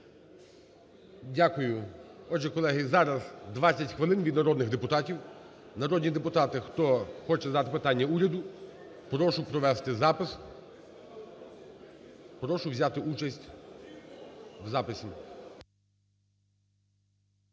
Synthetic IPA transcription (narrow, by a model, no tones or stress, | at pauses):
dʲakʊjʊɔd͡ʒɛkɔlˠɛɦɪzɑɾɐzd̪ʋɑt͡sʲːɐtʲxʋɪlˠɪnʋʲid̪nɐɾɔd̪nɪɣd̪epʊt̪ɑtʲiw | nɐɾɔd̪nʲid̪epʊt̪ɑt̪ɪxt̪ɔxɔt͡ʃɛzd̪ɑt̪ɪpɪt̪ɑnʲːɐuɾʲɐd̪ʊ | pɾɔʃʊpɾɔʋɛst̪ɪzɑpɪs | pɾɔʃʊʋzʲat̪ɪʔut͡ʃɐsʲtʲ | wzɑpɪsʲim